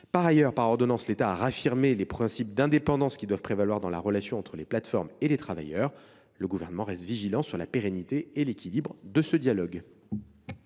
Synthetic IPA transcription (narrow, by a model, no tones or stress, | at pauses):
paʁajœʁpaʁɔʁd̪ɔnɑ̃slet̪aːʁafiʁmelepχɛ̃sipd̪ɛ̃d̪epɑ̃d̪ɑ̃skʲid̪wav̥pχevalwaʁd̪ɑ̃la̰ʁəlasjɔ̃ɑ̃t̪χəleplat̪fɔʁmelet̪χava̰jœʁ | ləɡuvɛʁnəmɑ̃ʁɛst̪viʒilɑ̃syʁlapeʁɛnit̪eelekʲilibʁd̪əsəd̪jalɔɡ